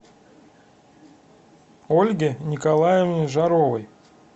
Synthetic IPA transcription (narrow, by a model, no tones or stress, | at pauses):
olʲɡʲɪnʲɪkalˠajɪvnʲɪʐaɾovəj